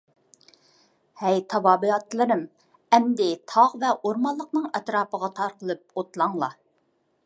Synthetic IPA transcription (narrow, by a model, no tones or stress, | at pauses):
hæjt̪ʰɑvɑːbɨɑt̪ːlˠɨɾɪm | ɛmd̪ɪt̪ʰɑʁvɛʔoɾmɑlˠːəqnɨŋɛt̪ɾɑːpəʁɑt̪ʰɑɾqəlˠɨp̚ot̪lˠɑŋlˠɑ